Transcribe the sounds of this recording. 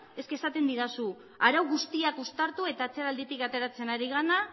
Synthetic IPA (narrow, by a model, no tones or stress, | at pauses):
e̞ske̞sat̪e̞nd̪iɾasu | aɾawɣust̪iakust̪aɾt̪ue̞t̪aːt͡seɾald̪it̪ikat̪e̞ɾat͡se̞naɾiɣ̞ana